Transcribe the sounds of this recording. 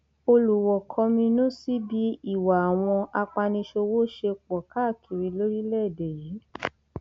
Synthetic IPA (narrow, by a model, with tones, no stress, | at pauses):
o˧lu˨wɔ˨kʰɔ̃˧˦mĩ˧nũ˦si˦bi˦i˦˨wa˨a˨w̃ɔ̃˧a˧k͡pa˧nĩ˧ʃo˧wo˦ʃe˧k͡pɔ˨ka˦˨kʰi˨ɾi˨˧˦lo˦ɾi˦lɛ˦˨dɛ˨ji˨˦